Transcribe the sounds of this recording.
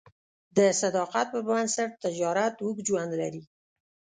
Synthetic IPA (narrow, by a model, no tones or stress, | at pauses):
d̪əsad̪ɑqat̪̚pəbansəɾt̪ɪd͡ʒɑɾat̪wukd͡ʒwand̪la̰ɾi